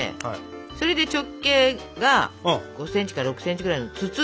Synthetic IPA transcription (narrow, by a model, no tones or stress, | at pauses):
ḛ | so̞ɾe̞d̪e̞t͡ɕo̞kːe̞ːɡaɡ̥o̞sẽ̞ɲ̟t͡ɕi̥kaɾaɾo̞kɯ̟̥seɲ̟t͡ɕiɡɯɾaino̞t͡sɨt͡sɨ